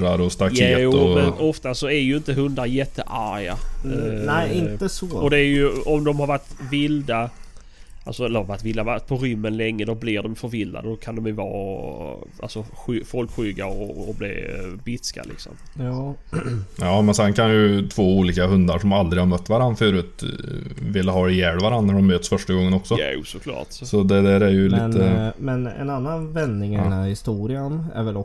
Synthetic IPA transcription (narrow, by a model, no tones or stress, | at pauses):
ɾaɾɔst̪aheːjuːmɛnɔft̪asɔæɾjɵɪnt̪əɦɵnd̪aɾjɛt̪ʰːəʔaɾa | ɪnt̪əsɔɔd̪ɛæɾjɵɔmd̪ɔmhaɾvat̪ːvɪld̪a | ʔalsɔɛlːmvat̪vɪld̪avat̪pʰɔɾʏmːənlɛŋːəd̪ɔblɪɖɔmjɵfœɾvɪld̪a̰d̪əd̪ɔkʰand̪ɔmjɵvɑ̰ː | ʔa̰lsɔɧʉfɔlkɧʉɡaɔːblɪ̰bɪt̪ska̰lɪ̰ksɔ̰m | jɑ | jɑːmɛnsɛnkʰanjɵt̪ʰvoːuːliːkaɦɵnd̪aɾʂɔmald̪ɾɪhaɾmœt̪ːvaɾanːfœːɾʉ̟ːt̪ | vɪlːəɦɑːɾɛjɛːɽvaɾanːnaɖɔmːøːt̪sfœʂʈaɡɔŋːənɔksɔ̰usɔkʰlɑ̰ːʈ̪sɔd̪ɛd̪æɾæɾjɵliːəmɛnɛ̰nanːanvɛnːɪŋnæhɪst̪uːɾɪənæ̰ɾvɛlɔ